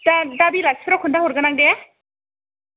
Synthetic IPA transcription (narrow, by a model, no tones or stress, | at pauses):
dadabilak̚sʰɾɔkʰundaɦɔɾɡanaŋde